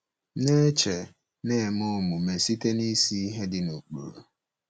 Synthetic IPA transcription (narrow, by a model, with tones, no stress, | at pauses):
ne˦t͡ʃe˨ | ne˦˨mʊ˦˨mʊ˨me˨si˦te˦ni˦si˦i˦ɦe˦dɪ˦no˨k͡po̰˨ɾo̰˨